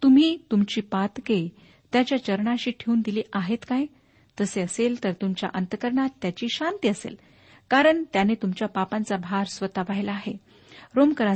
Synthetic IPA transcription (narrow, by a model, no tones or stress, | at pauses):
t̪um̤iːt̪umt͡ɕiːpat̪ke | t̪jat͡ɕjat͡ɕəɾɳaɕiːʈʰeuːnd̪iliːʔaɦet̪kaj | t̪əseəselt̪əɾt̪umt͡ɕja̰ʔənt̪əkəɾɳat̪ːjat͡ɕiːɕant̪iəsḛl | kaɾəɳt̪janet̪umt͡ɕjapapãnt͡sabʱaɾsʋət̪aʋajlaːɦe | ɾomkəɾa